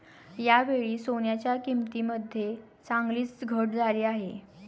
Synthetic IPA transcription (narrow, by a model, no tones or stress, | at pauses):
jaʋeɭiːsonjat͡ɕjakimt̪iːməd̪ʱje | t͡sãŋɡliːt͡sɡʱəʈd͡zʱaliːaɦe